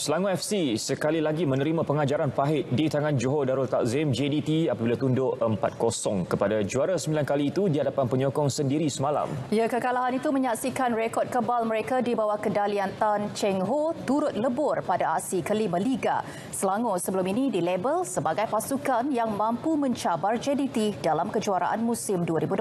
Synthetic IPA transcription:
səlaŋuɛfsisəkalilaɡimənəɾimãpəŋad͡ʒaɾanpaɦɪt̪̚dit̪aŋand͡ʒoɦodaɾʊlt̪aʔzemd͡ʒedit̪iapabilat̪undʊʔəmpat̪̚kosɔŋkəpadad͡ʒuaɾasəmbilankaliːt̪udiɦadapanpəɲɔkɔŋsəndiɾisəmala̰mjakəkalaɦanit̪uməɲaksikanrekɔt̚kəbalməɾekadibawakədaliant̪ant͡ʃɛŋɦot̪uɾʊt̪̚ləbʊrpadaasikəlimə̃liɡa̰ | səlaŋosəbəlʊminidilebəlsəbaɡajpasukanjaŋmãmpumə̃ɲt͡ʃabard͡ʒɛdit̪idalamkəd͡ʒuaɾa̰ʔa̰nmũsɪmduəɾibud

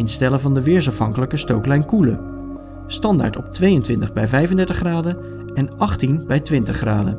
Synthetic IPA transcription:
ɪnstɛləvɑndəʋɪːɹs̬ɑfɦɑŋkələkəstowklɛjnkulə | stɑnda̰ɹtɔp̚tʋejəntʋɪntəχbɛjvɛjvəndɛɹtəχraːdə | ɛnɑχtinbɛjtʋɪntəχraːdə

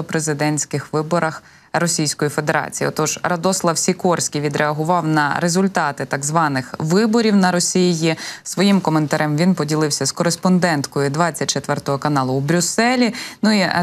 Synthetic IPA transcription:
ɔpɾezɪd̪ɛnʲsʲkɪxʋɪbɔɾɐx | ɾɔsʲijsʲkɔjife̞d̪eɾɑ̰t͡sʲijiɔ̰t̪ɔʒɾɐd̪ɔslˠɐwsʲikɔrsʲkʲijʋʲid̪ɾeɐɦʊʋɑwnɐ̰ɾezʊlʲt̪ɑt̪ɪt̪ɐɡzʋɑnɪxʋɪbɔɾʲiwnɐɾɔsʲijjisʋɔjimkɔment̪ɐɾʔɛmʋʲinpɔdʲilˠɪwsʲɐskɔɾespɔnd̪ɛnt̪kɔjʊd̪ʋɑt͡sʲːɐt̚ʲt͡ʃet̪ʋɛrt̪ɔɦɔkɐnɑlˠʊwbɾʲʊsɛlʲinui

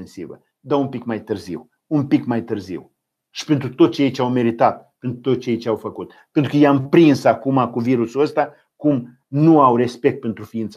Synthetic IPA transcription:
nsḭvə̰ | d̪aunpikmajt̪ɨrzḭw | unpikmajt̪ɨrzḭw | ʃi̥pe̞nt̪ɾut̪o̞t̪ːt͡ʃejejt͡ʃeawme̞ɾit̪at̪̚ | pe̞nt̪ɾut̪ot͡ʃeejt͡ʃeawfəkut̪̚ | pent̪ɾukəjampɾinsakumakuviɾusuəst̪a | kum | nuawre̞spe̞k̚t̪̚pent̪ɾufiint̪s

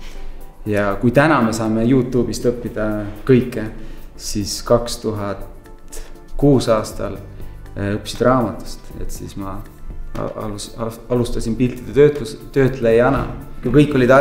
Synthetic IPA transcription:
jɑkujt̪ænɑme̞sɑːme̞juːt̪ːˑuːb̥ist̪ɤpːid̪̥ɑkɤjkˑːesiskɑkst̪uɦɑt̪ | kuːsɑːst̪ɑ̰l | ɤpːsid̪rɑːmɑt̪ːˑu̥st̪e̞̰t̪sḭsmɑ̰ | ɑlust̪ɑsʲinpilt̪ːˑid̪̥eøt̪ut̪ø̞ːt̪lejɑnɑ̰kukɤjkːˑo̞lʲid̪ɑ

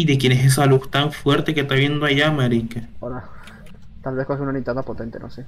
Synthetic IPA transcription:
iðe̞kjeneses̬alust̪aɱfwe̞ɾt̪ekeht̪aβje̞nd̪oaʝamaɾikaoɾa | t̪alβe̞skoxeunanint̪aðapot̪ent̪eno̰se

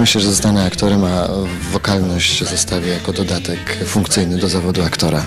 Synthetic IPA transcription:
mɘɕlɛʐɛzznanɛakt̪ɔɾɛma | vɔkalnɔɕt͡ɕzɔst̪avʲjɛjakɔd̪ɔd̪at̪ɛkfuŋkt̪sɘjnɘd̪ɔzavɔd̪uakt̪ɔɾa

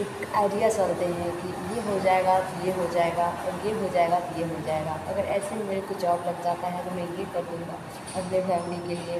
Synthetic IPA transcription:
eːkaːɪɖijasɐlt̪eɦɛ̃kijeɦod͡ʒaːeɡat̪ojeɦod͡ʒaːeɡaːɔɾjeɦod͡ʒaːeɡat̪ojeɦod͡ʒaːeːɡaːɐɡəɾɛːsemʊd͡ʒekʊt͡ʃʰɔːklɐɡ̚d͡ʒaːt̪aɦɛt̪omɛ̃jekɐɾd̪ũːŋɡa | ɐpnefɛːmɪlikeliie

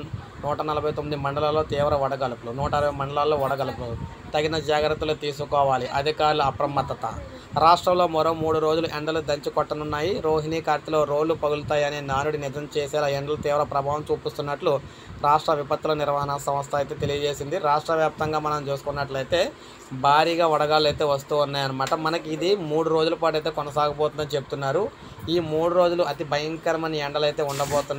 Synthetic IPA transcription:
nuːʈɐnɐlɐbʱɐjt̪omːid̪imɐɳɖɐlalːo̞ːt̪iːʋɾɐɔɽɐɡɐlupulunuːʈɐɐɾɐbɐjmɐɳɖɐlalːoːɔɽɐɡɐlupulu | t̪ɐɡinɐd͡ʒaːɡɾɐt̪ːulut̪iːsukɔːʋaːliʔɐd̪ʱikaːɾuluɐpɾɐmɐt̪ːɐt̪ɐ̰ | ɾaːʂʈɾɐmlo̞ːmɔɾomuːɽuɾoːd͡ʒuluʔeɳɖɐlud̪ɐɲt͡ʃikɔʈːɐnunːaːjiɾo̞ːɦiniːkaːɾt̪ilo̞ːɾo̞ːɖːupɐɡulut̪aːjɐninaːnuɽinid̪ɐmt͡ʃeːsɛːlaeɳɖɐlut̪iːʋɾɐpɾɐbʱaːʋɐmt͡ʃuːpist̪unːɐʈlu | ɾaːʂʈɾɐʋipɐt̪ːulɐniɾʋaːɦɐnasɐmɐst̪ʰɐːjt̪e̞ːt̪e̞lijɐd͡ʒe̞ːsind̪iɾaːʂʈɾɐʋjaːp̚t̪ɐŋɡaːmɐnɐmt͡ʃuːsu̥kunːɐʈlɐjt̪e̞ː | bʱaːɾiːɡaːʋɐɽɐɡaːlɐjt̪e̞ːʋɐst̪uːunːaːjɐnimɐʈɐmːɐnɐkiid̪imuːɽuɾo̞ːd͡ʒulɐpaːʈ̬ɐjt̪̬e̞ːkɔnɐsaːɡɐpoːt̪und̪ɐnit͡ʃe̞put̪unːaːɾu | iːmuːɽuɾo̞ːd͡ʒuluʔɐt̪ibɐjɐŋkɐɾɐmɐniɛɳɖɐlɐjt̪e̞ːuɳɖɐboːt̪und

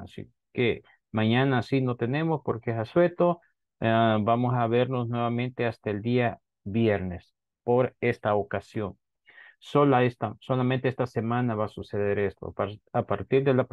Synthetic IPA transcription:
asḭ | ke | maɲanasino̞t̪e̞ne̞mospoɾkeesaswet̪o | bamosaβeɾnosnwe̞βamẽ̞nt̪east̪aeld̪ia | βjeɾne̞s | po̞ɾe̞st̪aokasjo̞n | solaest̪asolamẽnt̪eest̪ase̞mãnaβasuse̞ðe̞ɾest̪o̰apaɾt̪iɾðela

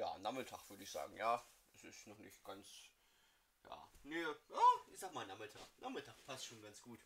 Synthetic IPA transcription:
ja̰ːnaːmɪtʰaːχv̥ʏɐɾəɪçz̥a̰ːɡŋ̩jaːʔɛsɪstnɔχnɪ̰çtɡ̥ant͡s | ja̰ːnejaːɪçz̥aːk̚maːlnaːmɪtʰa̰ːχnʔaːχmɪtʰaχpʰastʃoːnɡant͡sɡ̥uːt

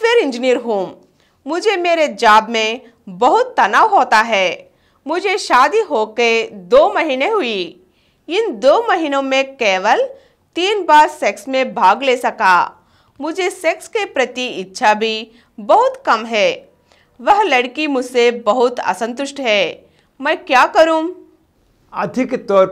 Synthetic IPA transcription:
ʋeːɾɪ̃nd͡ʒnijəɾɦuːmː | ʊd͡ʒʱemeːɾed͡ʒaːbmẽ | bɐɦʊt̪ːɐnaːʋɦoːt̪aɦɛː | mʊd͡ʒʱeʃaːd̪iɦoːked̪oːmɐɦiːneɦʊi | ɪnd̪oːmɐɦiːnõmẽkeːʋəl | t̪iːnbaːɾsɛksmẽbʱaːɡleːsɐkaː | mʊd͡ʒʱesɛkskepɾɐt̪iɪtːʃʰabʱi | bɐɦʊt̪kɐmɦɛː | ʋɐɦlɐɽkimʊd͡ʒʱsebɐɦʊt̪ɐ̰sə̃nt̪ʊʃʈɦɛː | mɛ̃ːkjaːkɐɾũː | ɐd̪ʱɪkt̪ɔːɾ

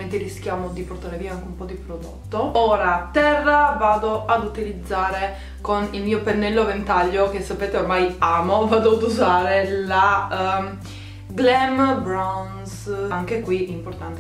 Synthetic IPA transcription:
ment̪erɾiskjaːmod̪iport̪aːɾeviːaaŋkeumpɔd̪ipɾod̪o̰t̪ːooːɾat̪ɛrːavaːd̪oʔad̪ut̪ilid̪zːaːɾe | konilmiːopenːɛlːovent̪aʎːok̟esːapeːt̪eormajaːmovaːd̪oad̪uzaːɾela | ɡlɛmbɾawn | saŋkekwiimport̪ant̪e

